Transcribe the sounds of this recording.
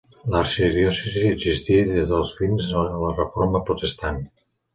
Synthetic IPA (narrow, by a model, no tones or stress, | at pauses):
laɾʃiðjɔsiziiəzist̪iðezðəlˠzβinzəələrəfoɾməpɾut̪əst̪an